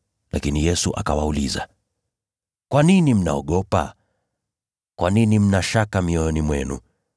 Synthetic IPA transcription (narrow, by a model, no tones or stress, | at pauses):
lʔa̰kinijɛsuʔa̰kawauliza̰ | kwaninim̩naɔɠɔpa̰ | kwaninim̩naʃakamiɔɔnimwɛnṵ